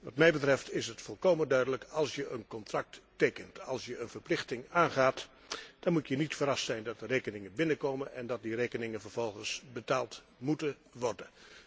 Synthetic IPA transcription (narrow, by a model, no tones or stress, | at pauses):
ʋɑtmɛjbətrɛftɪsɦətfɔlˠkowməndœɥdələkɑlˠsjəʔənkɔntrɑk̚tːejkəntɑlˠsjəənvəɹplɪχtɪŋaːnχaːt | d̥ɑnmutjənitfəɾɑstsɛjndɑt̚dərejkənɪŋənbɪnəkowmənʔɛndɑt̚direjkənɪŋənvəɹv̥ɔlˠχənsbətaːlˠt | mutə | ʋɔrdən